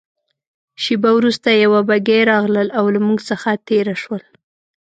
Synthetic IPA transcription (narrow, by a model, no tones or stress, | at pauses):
ʃibawɾust̪ajawabaɡeɾɑɣləlawlamuɡsəxat̪eɾaʃwəl